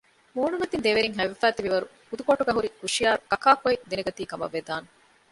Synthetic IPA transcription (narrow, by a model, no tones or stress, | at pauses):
muːnumɐt̪ind̪eʋeɾiŋɦæʋefæːt̪iʋiʋɐɾuhud̪ukoʈuɡɐɦuɾikuʂijaːɾkɐkaːkoid̪enɐɡɐt̪iːkɐmɐ̰ʋːed̪aːne